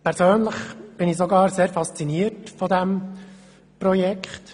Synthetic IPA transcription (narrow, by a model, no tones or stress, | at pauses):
pʰɛɾsøːnləχb̥ɪnisɔɡɑːɾseːɾfɑst͡siniəɾtfɔdɛm | prɔjɛkχt